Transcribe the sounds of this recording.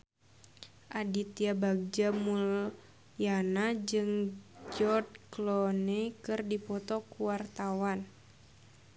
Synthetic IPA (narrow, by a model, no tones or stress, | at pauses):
ʔadit̪iabaɡ̚d͡ʒamul | janad͡ʒɨŋd͡ʒɔd̪klɔnekɨrdipɔt̪ɔkuwart̪awan